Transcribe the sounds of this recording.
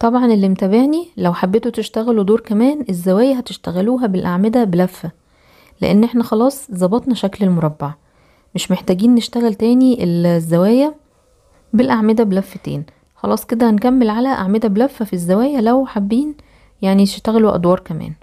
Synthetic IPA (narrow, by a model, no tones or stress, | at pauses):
t̪ˤɑbʕɑnelːimt̪æbeʕnilæwħabːet̪ot̪eʃt̪æɣælod̪oːɾkæmæːnezːæwæːjæɦæt̪eʃt̪æɣæluːɦæbelʔaʕmed̪æbelæfːæ | lḛʔenːʔeħnæxɑlɑːsˤzˤɑbɑt̪ˤnɑʃæklelmoɾˤɑbːɑʕ | meʃmeħt̪æːɡiːnnːeʃt̪æɣælt̪æːniʔelzːæwæːjæ | belʔaʕmed̪æbelæfːt̪ḛːn | xɑlɑːsˤked̪æhænkæmːelʕalæʔaʕmed̪æbelæfːæfizːæwæːjælæwħabːiːn | jaʕnit̪e̥ʃt̪æɣæloʔɑ̰d̪wɑːɾˤkæmæ̰ːn